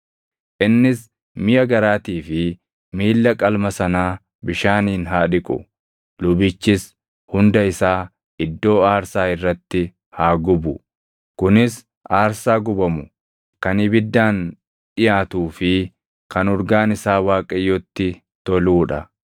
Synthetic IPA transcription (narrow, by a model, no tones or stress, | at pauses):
ʔɪnːɪs | mɪjɐɡɐɾaːt̪iːfɪ | miːlːɐkʼɐlmɐsɐnaː | bɪʃaːniːnɦaːᶑɪkʼʊ̰ | lʊbɪt͡ʃːɪs | hʊnd̪ɐɪsaː | ɪd̪ːo̞ːaːɾsaːɪrːɐt̪ːɪ | haːɡʊbʊ | kʊnɪs | ʔaːɾsaːɡʊbɐmʊ | kɐnɪbɪd̪ːaːn | ᶑɪjaːt̪uːfɪ | kɐnɔɾɡaːnɪsaːwaːkʼɐjːɔt̪ːɪ | t̪ɔluːᶑɐ